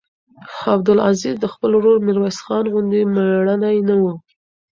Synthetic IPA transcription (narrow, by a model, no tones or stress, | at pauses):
xɑbd̪ʊla̰zizd̪əxpəlɾoɾmɪɾwasxɑnɣʊnd̪emaɽanajnawu